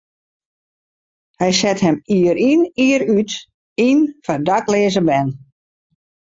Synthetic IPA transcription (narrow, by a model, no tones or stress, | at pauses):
hɛjsɛthɛmiəɾiniəɾyt | infardakleːzəbɛn